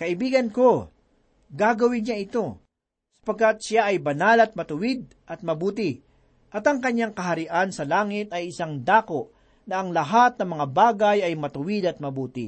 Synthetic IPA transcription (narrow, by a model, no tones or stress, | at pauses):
kɐɪbiːɡɐnko̞ | ɡaːɡɐwɪɲɲaʔɪt̪o̞ | sɐ̥pɐɡ̚kat̪̚ʃaʔɐjbɐnalɐt̪̚mɐt̪ʊwɪd̪̚ | ʔɐt̪̚mɐbuːt̪̬ɪ | ʔɐt̪ɐŋkɐɲːaŋkɐɦɐɾɪʔansɐlaːŋɪt̪ɐjɪsaŋd̪aːko̞ʔ | nɐɐŋlɐɦat̪̚nɐmɐŋabaːɡɐjɐjmɐt̪ʊwɪd̪ɐt̪̚mɐbuːt̪ɪ̰